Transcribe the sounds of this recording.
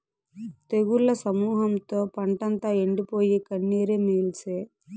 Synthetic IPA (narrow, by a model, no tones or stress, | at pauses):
t̪eɡuɭːɐsɐmuːɦɐmt̪o̞ːpɐɳʈɐnt̪aːeɳɖipo̞ːjikɐɳːeːɾemeːlseː